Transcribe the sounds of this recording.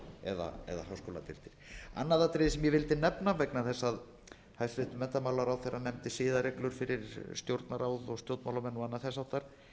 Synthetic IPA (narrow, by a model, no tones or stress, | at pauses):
ɛ̰ða̰ɛ̰ða̰ɦawskowla̰t̪ʰɪlt̪ɪɾ̥a̰nːaðat̪ɾɪːsɛmjɛvɪlt̪ɪnɛpnavɛknaθɛsːað | hajst̪ɾɪht̪ʏmɛnt̪amawlaɾawθɛɾanɛmt̪ɪsɪːðaɾɛklʏɾ̥fɪɾɪɾst̪jowɾt̪naɾaːwðɔɣst̪jowt̪mawlamɛnːɔanːaðθɛsawt̪ːaɾ̥